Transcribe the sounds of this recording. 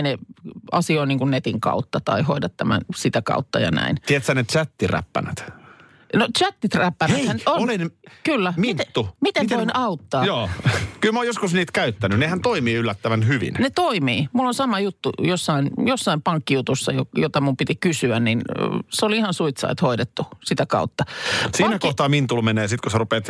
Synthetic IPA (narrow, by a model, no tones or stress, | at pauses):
neɑsioiniːŋkunnet̪iŋkɑ̰ut̪ːɑt̪ɑ̰ihoidɑt̪tæmæ̰nsit̪ækɑ̰ut̪ːɑjɑ̰næ̰int̪iet̪sænet̪t͡ʃæt̪ːiræ̰pːæ̰næt̪ | not̪t͡ʃæt̪ːit̪ræpːænæehænoonlinkylːæmimineːumit̪eoinɑut̪ːɑːjoːkylmæojoskusniːt̪kæyt̪ːænynehænt̪oimiːylːæt̪ːæʋænhyʋḭnnet̪oimiːmulːonsɑmɑjut̪ːujosːɑinjosːɑimpɑŋkːijut̪usːɑjo̰jot̪ɑmumpit̪ikysyænninseoliihɑnsuit̪sɑ̰it̪hoidet̪ːusit̪ækɑ̰ut̪ːɑsiːnækoht̪ɑːmint̪ulmeneːsit̪kuserupeːt̪